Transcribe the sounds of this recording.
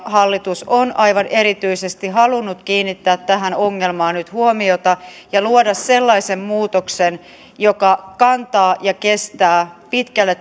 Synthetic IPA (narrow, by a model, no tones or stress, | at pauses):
hɑlːit̪usonɑiʋɑneɾit̪yisest̪iɦɑlunːut̪kiːnːit̪ːæːt̪tæɦænoŋːelmɑːnyt̪huomiot̪ɑ | jɑluodɑsselːɑisemmuːt̪oksen | jokɑkɑnt̪ɑːjɑkest̪æːpit̪kælːet̪